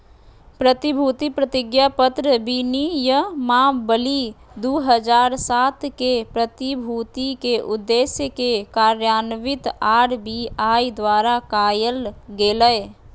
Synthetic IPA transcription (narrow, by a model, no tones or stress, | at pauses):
pɾət̪ibʱuːt̪ipɾət̪ɪɡjapət̪ɾəbinijəmaːbəli | d̪uːɦəd͡ʒaːɾsaːt̪kepɾət̪ibʱuːt̪ikeʔʊd̪ːeːsjəkekaːɾjaːnəʋɪt̪aːɾbiːaːid̪waːɾakaːjəlɡeːləe